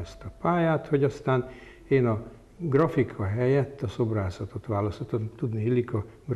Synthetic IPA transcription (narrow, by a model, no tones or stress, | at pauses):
ɛst̪ɒpaːjaːt̪ho̞ɟɒst̪aːn | eːnɒ | ɡrɒfikʰɒɦɛjɛt̪ːɒso̞braːzɒt̪ot̪ʋaːlɒsot̪ont̪ud̪niilːikɒɡr